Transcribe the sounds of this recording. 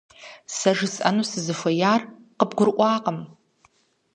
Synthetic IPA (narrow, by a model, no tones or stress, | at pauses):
saʐɪsʔa̰nusɨzɨfajarqəbɡʷʊrʔʷʼaːqʼəm